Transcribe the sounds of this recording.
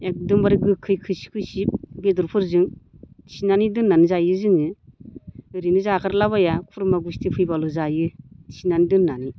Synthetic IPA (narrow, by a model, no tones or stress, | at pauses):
ek̚dɯmbaɾɡɯkʰɯjkʰɯsi̥kʰɯsip̚beduɾpʰɯɾzɯŋ | sinanidɯnːanɯzajɯzɯŋɯ | ɯɾinɯzakʰaɾlaβajakʰuɾmaɡustʰipʰɯjbaluzajɯsinanidɯnːani